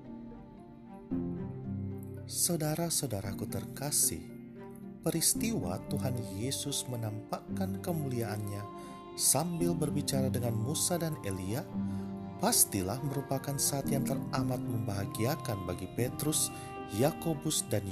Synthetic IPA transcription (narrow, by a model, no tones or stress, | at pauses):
sawdaɾasawdaɾakut̪ərkasɪ̰h | pəɾist̪iwa̰t̪uɦanjesʊsmənampakankəmuliaʔanɲa | sambɪlbərbit͡ʃaɾadəŋanmusadanelia | past̪ilahməɾupakansaat̪jaŋt̪əramat̪̚məmbaɦaɡiakanbaɡipet̪ɾʊs | jakobʊsdan